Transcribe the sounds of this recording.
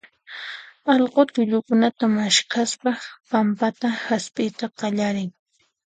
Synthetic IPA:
ɑʎqot̪ʊʎʊkʊnat̪amaʃkaspapampat̪ahaspɪjt̪aqɑʎaɾɪŋ

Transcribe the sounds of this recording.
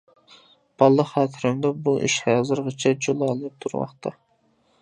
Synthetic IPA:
b̥ɑlˠːəχχɑːt̪ʰɨɾɨmd̪ɑbuʔḭʃhɑzɨɾʁət͡ʃʰɛd͡ʒolˠɑlˠɨp̚t̪ʰuɾmɑ̰χt̪ʰɑ

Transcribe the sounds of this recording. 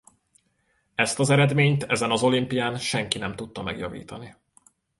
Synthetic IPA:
ɛst̪ɒzɛɾɛd̪meːɲt̪ɛzɛnɒzo̞limpijaːnʃɛŋkinɛmt̪ut̪ːɒmɛɡjɒvḭːt̪ɒni

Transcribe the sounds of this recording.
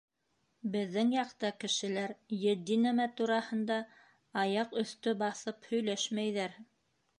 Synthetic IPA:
bɘ̆ðːɘŋjɑqt̪ɑkɘ̆ʃɘ̆læɾjɘ̆d̪ːinæmæt̪uɾɑhɤ̆nd̪ɑ | ɑjɑqɵ̆θt̪ɵbɑθɤphɵ̆jlæʃmæjðæɾ

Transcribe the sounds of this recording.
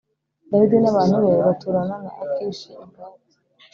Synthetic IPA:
daiɡinaβaːn̥huβeβatʰuɾananaʔakiʃiːŋɡa

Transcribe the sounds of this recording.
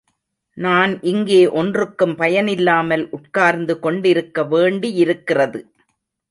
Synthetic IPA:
naːnʔɪŋɡeːʔɔndrɯkːɯmpɐjɐnɪlːaːmɐlʔʊʈkaːɾnd̪ɯkɔɳɖɪɾɯkːɐʋeːɳɖijɪɾɯkːɪrɐðɯ

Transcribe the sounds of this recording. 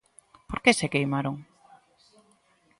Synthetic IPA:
poɾkesekejmaɾoŋ

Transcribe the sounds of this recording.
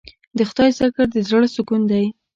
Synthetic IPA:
d̪əxt̪ɑjsakaɾd̪əzɽəsʊkund̪aj

